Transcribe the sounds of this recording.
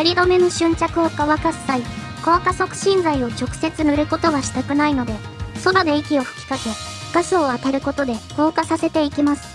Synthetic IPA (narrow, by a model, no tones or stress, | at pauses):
aɾʲid̪o̞me̞noɕɨ̃ɲ̟t͡ɕakɯ̟okaβakasːai | ko̞ːkaso̞kɯ̟̥ɕĩnd͡zaio̞t͡ɕo̞kɯ̟̥se̞t͡sɨnɯ̟ɾɯ̟ko̞t̪o̞βaɕi̥t̪akɯ̟naino̞d̪e̞ | so̞ɾod̪e̞ikʲio̞hɯ̥kʲi̥kake̞ | ɡ̥asɨoat̪aɾɯ̟ko̞t̪o̞d̪e̞ko̞ːkasase̞t̪e̞ikʲimasɨ̥